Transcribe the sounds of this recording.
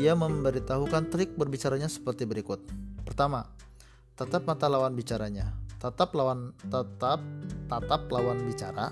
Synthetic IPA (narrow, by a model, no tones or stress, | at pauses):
iaməmbəɾit̪aɦukant̪ɾɪk̚bərbit͡ʃaɾaɲasə̥pərt̪ibəɾikʊt̪̚pərt̪ama | t̪at̪ap̚mat̪alawanbit͡ʃaɾaɲat̪at̪aplawant̪at̪ap̚t̪at̪ap̚lawanbit͡ʃaɾa̰